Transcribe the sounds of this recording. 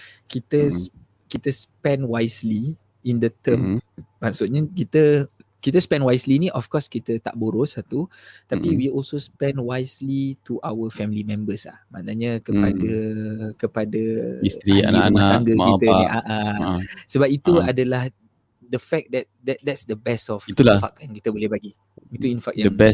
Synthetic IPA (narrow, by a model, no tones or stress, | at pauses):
kit̪ə | kit̪əspɛ̃nwajsli | indət̪əmmasut̪̚ɲəkit̪əkit̪əspɛ̃nwajslinĩʔɔfkɔskit̪ət̪a̰ʔboɾosat̪u | t̪apiwiɔlsospɛ̃nwajslit̪uʔawəfɛmilimɛ̃mbəsa̰hmã̰nəɲəkəpadəkəpadəist̪ɾia̰naanaaaŋɡəakit̪əaiʔaʔasəbap̚it̪uadəlah | dəfɛk̚d̪ɛt̪̚dɛt̪̚dɛtsdəbɛsɔfiulafak̚jãŋkit̪əbolɛhbaɡi | it̪uinfak̚jaəŋbɛ